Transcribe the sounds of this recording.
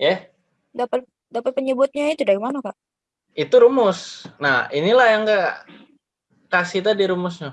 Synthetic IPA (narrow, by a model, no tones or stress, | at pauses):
ja | dapat̪̚ | dapat̪̚pəɲəbʊt̪̚ɲait̪udaɾimanakaʔ | it̪uɾumʊsnahinilahjaŋɡa | kasit̪adiɾumʊsɲa